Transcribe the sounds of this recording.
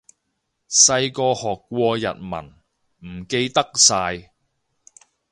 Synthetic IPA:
sɐ˧jkɔː˧hɔː˨˩kːʷwɔː˧jɐ̰˨t̚mɐ̰˨˩n | m̩˨˩ke˧jt̪ɐ˥k̚saː˧j

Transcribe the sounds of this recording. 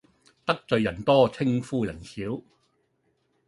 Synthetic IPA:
t̪ɐ˥k̚t͡sɵ˨˧ɥjɐ˨˩nt̪ɔː˥t͡sʰɪ˥ŋfuː˥jɐ˨˩nsiː˨˥w

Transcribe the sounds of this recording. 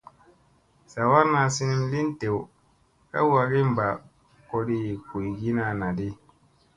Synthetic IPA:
sa˨wa˦ɾna˨si˦ni˦m˦li˦n˦te˨w | ka̰˦wa˨ɡi˦m̩˦˨ba˨ | kɔ˦di˦˨ko˨i˨ɡi˦na˨na˨di˦

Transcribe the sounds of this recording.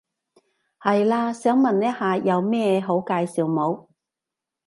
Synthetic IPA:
hɐ˨jlaː˧sœː˨˥ŋmɐ˨nːɛː˥haː˨˧jɐ˨˧wmɛː˥ɦo˨˥wkaː˧jsiː˨wmo˨˧w

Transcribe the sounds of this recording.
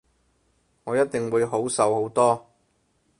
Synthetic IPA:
ŋɔː˨˧jɐ˥t̚t̪ɪ˨ŋwuː˨˧jɦo˨˥wsɐ˨who˨˥wt̪ɔː˥

